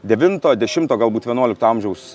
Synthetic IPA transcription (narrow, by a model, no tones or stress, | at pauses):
d̪ʲɛʋʲɪnt̪oːd̪ʲɛʃʲɪmt̪oːɡɐlˠbuːt̪ʋʲiɛnuɔlʲɪk̚t̪oːɐmʲʒʲɛʊs